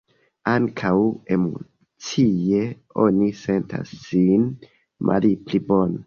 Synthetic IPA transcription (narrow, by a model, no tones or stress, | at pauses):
aŋkʰawe̞mo̰ | t͡sie | o̰nise̞ntʰa̰sːin | mʔa̰liplibon